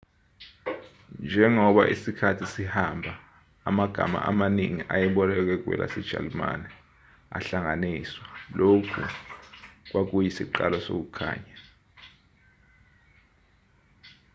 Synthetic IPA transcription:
nd͡ʒʱɛŋɔɓa̰ʔisikʰatʰisihambʱaː | maɡ̥ʱama̰ʔamaniŋiʔajɛɓɔlɛk̬ɛk̬wɛ̰lʔa̰sɛd̥ʒ̥ʱa̰lma̰nɛ | a̰ɬaŋaniswalokʰṵ | k̬wak̬ujisiǃalɔso̰k̬ukʰa̰ːɲa

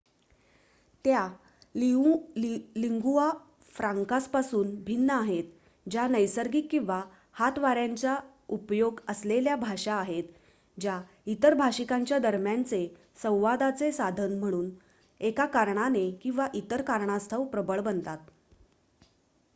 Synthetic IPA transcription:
t̪ja | liŋɡua | fɾaŋkaspasuːnbʱinːəaɦet̪ | d͡ʑanəjsəɾɡiːkːĩw̃ʋa | hat̪ʋaɾjaɲt͡ɕa | upjoɡəsleljabʱaʂaːɦet̪ | d͡ʑja | it̪əɾbʱaɕikaɲt͡ɕjad̪əɾmjant͡se | sə̃w̃ʋad̪at͡sesad̪ʱənm̤əɽ̃uːn | ekakaɾɳanekĩw̃ʋaʔit̪əɾkaɾɳast̪ʰəwpɾəbəɭbənt̪at̪̚

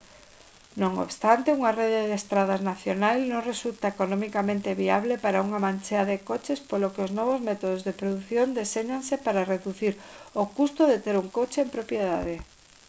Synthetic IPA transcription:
nõŋo̰βst̪ant̪euŋareðeðest̪ɾað̞aznaθjonajlnõŋresult̪aekonɔmikamẽnt̪eβiaβlepaɾauŋamãnt͡ʃeaðekot͡ʃespolokeoznɔβ̞ozmɛt̪oð̞ozðepɾoðuθjond̪eseɲaŋsepaɾareðuθiɾokust̪oðet̪eɾuŋkot͡ʃeempɾopjeðaðe

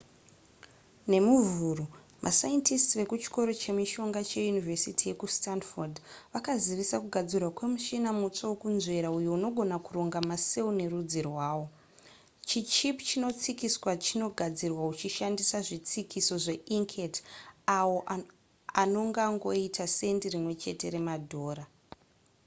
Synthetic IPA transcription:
ne̞muvuːru | mʔa̰sajentistʋe̞kut͡ʃi̥ko̞ɾo̞t͡ʃe̞miʃo̞ŋɡat͡ʃe̞junivesitije̞kustandfordʋakaziʋisakuɡʱad͡zirwakwe̞muʃinamut͡ʂawokunze̞ɾaujouno̞ɡʱo̞nakuro̞ŋɡamase̞une̞rud͡zirwaːwo̞ | t͡ʃit͡ʃipt͡ʃino̞t͡sikiswat͡ʃino̞ɡʱad͡zirwaut͡ʃiʃandisaʐit͡sikiso̞ʐe̞ʔiŋkʰetawoʔ | ano̞ŋɡaŋɡo̞itʰase̞ndirimwe̞t͡ʃe̞te̞ɾe̞madʱo̞ːɾa

